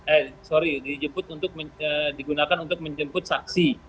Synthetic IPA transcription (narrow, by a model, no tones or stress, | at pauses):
ɛsoɾidid͡ʒəmpʊt̪unt̪ʊk̚məədiɡunakanunt̪ʊk̚məɲd͡ʒəmpʊt̪̚saksi